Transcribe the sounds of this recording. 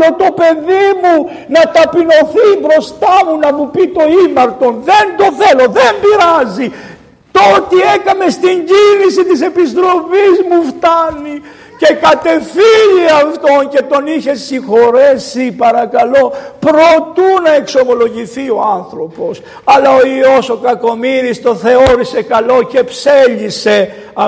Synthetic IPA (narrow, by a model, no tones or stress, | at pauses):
o̞t̪o̞pe̞ðimu | nɐt̪ɐpino̞θibɾo̞st̪ɐmunɐmupit̪o̞imɐɾt̪o̞nðe̞nd̪o̞θe̞lo̞ðembiɾɐzi | t̪o̞t̪ie̞kɐme̞st̪iɲɟinisit̪ise̞pis̬t̪ɾo̞fizmuft̪ɐni | ce̞kɐt̪e̞fiʎiɐft̪o̞nce̞t̪o̞niçe̞sixo̞ɾe̞sipɐɾɐkɐlo̞pɾot̪unɐe̞kso̞mo̞lo̞ʝiθio̞ɐnθɾo̞po̞s | ɐlɐoio̞so̞kɐko̞miɾist̪o̞θe̞o̞ɾise̞kɐlo̞ce̞pseʎise̞ | ɐ